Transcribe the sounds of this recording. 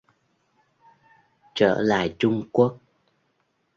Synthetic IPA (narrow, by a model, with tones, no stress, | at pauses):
t͡ɕə̰ː˧˩la̰ː˧˨jt͡ɕʊ˧ŋ͡mku˦˥ək̚